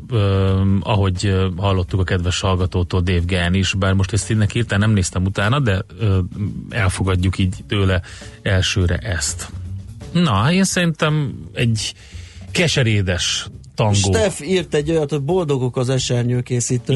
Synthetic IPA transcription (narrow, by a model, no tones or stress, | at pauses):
øːɒɦo̞ɟhɒlːo̞t̪ːukɒkɛd̪ʋɛʃhɒlɡɒt̪oːt̪oːld̪eːvɡɛniʃbaːrmo̞ʃt̪ɛst̪inːɛkiːrt̪ɛnɛmneːst̪ɛmut̪aːnɒd̪ɛøːɛlfo̞ɡɒɟːukiːɟt̪øːlɛɛlʃøːɾɛ̰ʔɛst̪ | nɒeːnsɛɾint̪ɛmɛɟ | kɛʃɛɾeːd̪ɛʃt̪ɒŋɡʃoːt̪ɛfiːrt̪ɛɟːojɒt̪obo̞ld̪o̞ɡokɒzɛʃɛrɲøːkeːsiːt̪ø